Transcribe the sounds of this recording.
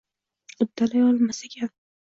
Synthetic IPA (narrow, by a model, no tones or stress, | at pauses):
ʊd̪ːalajɒlˠmasakʲʰan